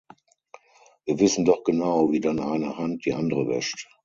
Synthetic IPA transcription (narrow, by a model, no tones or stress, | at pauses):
viːɐvɪsn̩dɔχɡ̥ənaʊviːdanʔaɪnəhant̚d̥iːʔandəʁəvɛ̰ʃt